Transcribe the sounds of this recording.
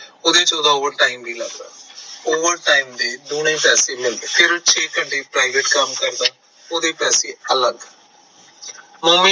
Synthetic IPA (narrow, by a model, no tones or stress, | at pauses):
ʊd̪eːt͡ʃoːd̪aːoːʋəɾʈaːimbʱiːlə̰ɡd̪a̰ːoːʋəɾʈaːiːmd̪eːd̪oːñẽːpɛːseːmɪldpʰɪɾt͡ʃʰeːkəɳʈeːpɾaːɪʋeːʈkəmkəɾd̪aː | oːd̪eːpɛːseːələɡ | mʊːmɪ